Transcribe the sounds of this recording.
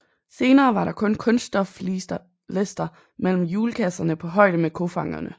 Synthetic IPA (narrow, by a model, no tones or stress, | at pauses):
se̝ːnɐːʋɑ̈ɾɑ̈kʰɔ̽nkʰɔ̽nsd̥ɒf | lesd̥ɐ | mel̰m̩juːləkʰæsɐnəpʰɒ̽ɦɒ̽ɪ̰d̥əmekʰo̝fɑ̈ŋɐ̰nə